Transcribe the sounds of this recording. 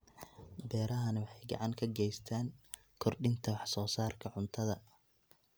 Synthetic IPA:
bɛːɾɐɦɐnɐwɑħɑjɡɑ̰ʕɑŋkʰɐɡɛjst̪ʰaːŋ | kʰɔrɖɪnt̪ʰɐwɑħsɔːsaːrkʰɐʕʊnt̪ʰɐðɐ

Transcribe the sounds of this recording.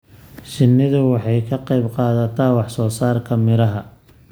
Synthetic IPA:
t͡ʃɪnːɪðʊwɑħɑjkʰɐqɑjbqɑːðɐt̪ʰaːwɑħsɔːsaːrkʰɐmɪɾɐɦɐ

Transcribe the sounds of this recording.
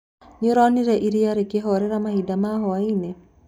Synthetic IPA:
ɲiɾɔniɾɛʔiɾiaɾekeɦɔɾɛɾamahidamaɦɔaine

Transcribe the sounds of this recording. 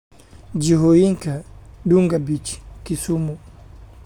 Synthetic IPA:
d͡ʒiɦojiŋkaɗuŋɡabit͡ʃi̥kisumu

